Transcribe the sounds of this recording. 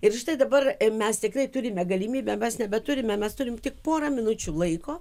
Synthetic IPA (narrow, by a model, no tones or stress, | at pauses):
ɪrʒɪt̪ɐɪd̪ɐbɐrmʲɛst̪ʲɪkrɐɪt̪ʊɾʲɪmʲɛɡɐlʲiːmʲiːbʲɛmʲɛsnʲɛbʲɛt̪ʊɾʲɪmʲɛmʲɛst̪ʊɾʲɪmt̪ʲɪk̚poːɾɐmʲɪnʊt͡ʃʲuːlˠɐɪkoː